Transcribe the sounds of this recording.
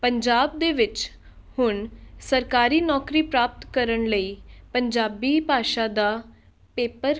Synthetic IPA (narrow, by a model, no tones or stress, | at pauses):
pəɲd͡ʒaːb̚d̪eːʋɪt͡ʃ | hʊɳsəɾkaːɾiːnɔːkɾiːpɾaːp̚t̪kəɾəɳləiːpəɲd͡ʒaːbiːpaːʃãːd̪aː | peːpəɾ